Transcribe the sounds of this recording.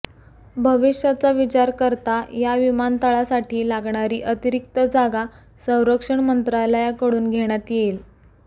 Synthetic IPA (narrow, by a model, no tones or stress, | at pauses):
bʱəʋiʂjat͡saʋit͡ɕaɾkəɾt̪ajaʋimant̪aɭasaʈiːlaɡɳaɾiːʔət̪iɾik̚t̪əd͡zaɡa | sə̃w̃ɾəkʂəɳmənt̪ɾajləjakəɽuːnɡʱeɽ̃jat̪jel